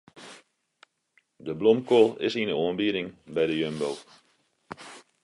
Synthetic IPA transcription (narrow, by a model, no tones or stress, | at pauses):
dəblɔmkolˠɪsinəoənbiəɾɪŋbɛjdəjønbow